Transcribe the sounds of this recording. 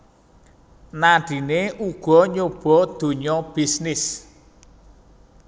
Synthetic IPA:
naɖ̥i̤neʔuɡ̥ɔ̤ɲob̥ɔd̪̥o̤ɲɔb̥isnɪs

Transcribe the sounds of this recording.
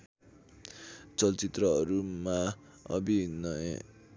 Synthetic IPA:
t͡sʌlt͡sit̪rʌɦʌɾuma | ʌ̰binʌje

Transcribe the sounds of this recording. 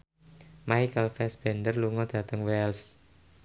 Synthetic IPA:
majkəlfɛsb̥ɛ̤nd̪ərluŋɔd̪̥ä̤t̪əŋwɛls

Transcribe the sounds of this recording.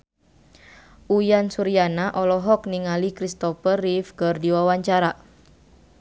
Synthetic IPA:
ʔujansuɾianaʔɔlɔɦɔkniŋalikɾist̪ɔfərifkərdiwawaɲt͡ʃaɾa

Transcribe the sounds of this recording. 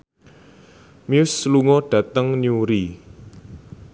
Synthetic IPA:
miʊsluŋɔɖ̥ä̤t̪əŋniuɾi

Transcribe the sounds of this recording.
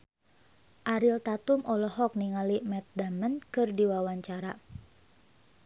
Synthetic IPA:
ʔaɾilt̪at̪umʔɔlɔɦɔk̚niŋalimɛt̪̚damənkɨrdiwawaɲt͡ʃaɾa

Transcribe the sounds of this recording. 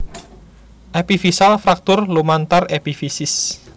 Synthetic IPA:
ʔepifisalfɾak̚t̪ʊrlumant̪arepifisɪs

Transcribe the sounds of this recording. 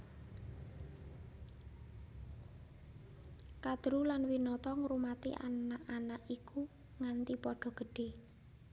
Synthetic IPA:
kad̪̥ɾulanwinɔt̪ɔŋɾumat̪ḭʔa̰naʔanaʔiku | ŋant̪ipɔɖ̥ɔ̤ɡ̥ə̤ɖ̥e̤

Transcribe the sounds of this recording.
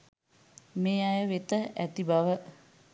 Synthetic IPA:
meːajəʋet̪əʔæt̪ibaʋə

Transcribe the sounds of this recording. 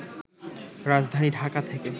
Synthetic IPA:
ɾad͡ʑd̪ʱaniɖʱakat̪ʰeke

